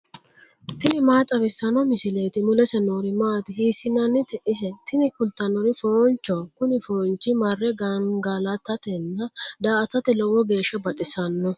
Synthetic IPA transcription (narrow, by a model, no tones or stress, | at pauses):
t̪ɪnɪmaːt̪ʼɐβɪsːɐnɔmɪsɪlejt̪ɪmʊlɛsɛnoːɾɪmaːt̪ɪhiːsɪnːɐnːɪt̪ɛʔɪs̬ɛt̪ɪnɪkʊlt̪ːɐnɔɾɪfoːnt͡ʃːɔkʊnɪfoːnt͡ʃːɪmɐrːɛɡɐŋɡaːlɐt̪ːɐt̪ɛnːɐd̪aːʔɐt̪ːɐt̪ɛlɔwɔɡe̞ːʃːɐbɐt̪ʼɪsɐnːɔ